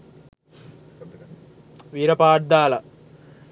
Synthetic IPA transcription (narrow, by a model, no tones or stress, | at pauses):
ʋiːɾɐpaːʈd̪aːlɐ